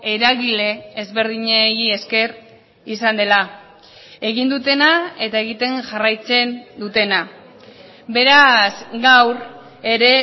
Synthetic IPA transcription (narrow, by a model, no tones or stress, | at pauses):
e̞ɾaɣile̞ːzβe̞ɾð̞iɲeie̞ske̞r | isand̪e̞la | e̞ɣ̞ind̪ut̪e̞nae̞t̪ae̞ɣit̪e̞ŋʝarajt͡se̞nd̪ut̪e̞na | be̞ɾasɣawɾ | e̞ɾe̞